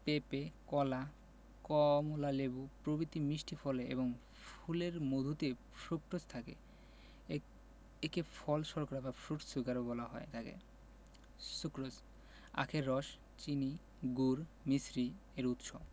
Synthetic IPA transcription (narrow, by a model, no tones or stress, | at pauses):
pepekɔla | kɔmolalebupɾobit̪imiʃʈʰifʰɔleḛβoŋ | fʰuleɾmod̪ʱut̪e | fukɾost̪ʰakḛ | ekefʰɔlʃɔɾkaɾabafʰɾuʈsukaɾobɔlaɦɔet̪ʰakḛ | sukɾod͡ʑ | a̰kʰeɾːɔʃ | t͡ɕini | ɡuɾ | misɾieɾut̪ʃo